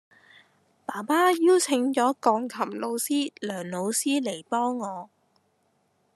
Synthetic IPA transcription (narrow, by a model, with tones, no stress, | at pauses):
paː˨˩paː˥jiː˥wt͡sʰɪ˨˥ŋt͡ʃɔː˨˥kɔː˨˧ŋkʰɐ˨˩mlo˨˧wsiː˥lœː˨˩ŋlo˨˧wsiː˥le˨˩jpɔː˥ŋːɔː˨˧